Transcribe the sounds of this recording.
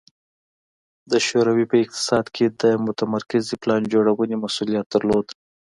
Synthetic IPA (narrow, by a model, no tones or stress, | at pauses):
d̪əʃoɾawipəɪq̚t̪ɪ̥sɑd̪kʰed̪əmʊt̪amaɾkɪziplɑnd͡ʒoɽawənemasulijat̪̚d̪aɾlod̪